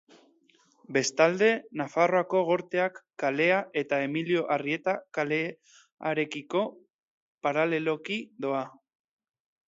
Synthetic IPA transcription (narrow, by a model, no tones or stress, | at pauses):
be̞st̪ald̪e̞nafaro̞ako̞ɣ̞o̞ɾt̪e̞akːale̞aʔe̞t̪ae̞milio̞ʔarie̞t̪akale | aɾe̞kiko̞ | paɾale̞lo̞kid̪o̞a